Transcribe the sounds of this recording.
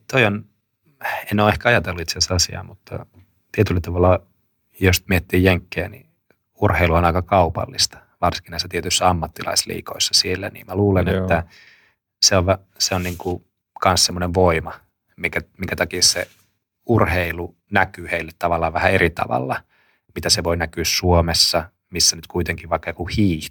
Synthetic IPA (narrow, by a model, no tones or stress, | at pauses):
t̪oion | enːoːehkæɑjɑt̪elːuit̪seseɑsiɑ̰ːmut̪ːɑ̰ | t̪iet̪ylːæt̪ɑʋɑlːɑ | jost̪miet̪ːiːjjeŋkːeːnḭ | urheiluonɑikɑkɑupɑ̰lːist̪ɑ̥ | ʋɑrsiŋkinɑisːæt̪iet̪ysːæɑmːɑt̪ːilɑ̰islḭːkoisːɑ̥sielːænḭːmmæluːlenet̪ːæ | seoʋʋæ | seonniːŋku | kɑnssemːoneʋʋoimɑ | mikæmiŋkæt̪ɑkiːssḛ | urheilu | nækyːheilːet̪tɑʋɑlːɑʋæhæeɾit̪ɑ̰ʋɑ̰lːɑ | mit̪æseʋoinækyːssuomesːɑ | misːænyt̪kuit̪eŋkiʋʋɑikːɑjokuhiːh